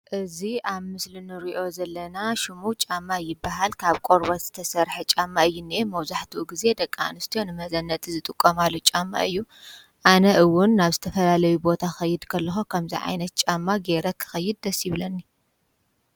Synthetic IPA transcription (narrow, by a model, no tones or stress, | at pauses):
ʔɨziʔaβmɨslinɨɾiʔo̞zɐlːɐnaʃumut͡ʃʼamːajɪbːaɦalkʰaβkʷʼoɾbɐt̪z̥ɨt̪ʰɐsɐɾħet͡ʃʼamːaɨjːunːimɐβzaħt̪ʰuʔuɡize̞d̪ɐkʼːa̰nɨst̪ʰijonɨmɐzɐnːɐt̪ʼzɨt̪ʼɨkʼːomalːot͡ʃʼamːa̰ʔɨjːu | ʔanɐʔɨwʊnːaβzɨt̪ʰɐfɐlalɐjubo̞t̪ʰaxɐjːɪd̪kʰɐlːɐxokʰɐmzḭʕa̰jnɐt̪̚t͡ʃʼamːaɡe̞ɾɐkʰɨ̥xɐjːɪd̪̚ːɐsjɪβlɐnːi